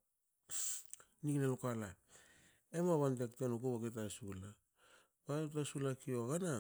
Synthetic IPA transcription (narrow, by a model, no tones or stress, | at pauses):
niknelokala | emaβantektenokuβaɡet̬asula | bautasulakioaɡana